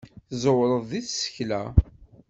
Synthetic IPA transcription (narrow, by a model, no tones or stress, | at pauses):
θzˤəwɾˤəðˤðiθsə̥çlæ